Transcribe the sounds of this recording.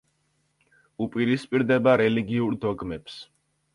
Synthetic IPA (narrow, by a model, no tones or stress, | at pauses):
upʼiɾispʼiɾd̪ɛbaɾɛliɡiuɾd̪ɔɡmɛps